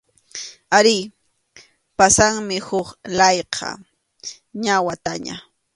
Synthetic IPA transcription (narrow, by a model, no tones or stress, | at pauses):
aɾi | pasaŋmɪhʊklajqʰɑ̰ | ɲawat̪aɲa̰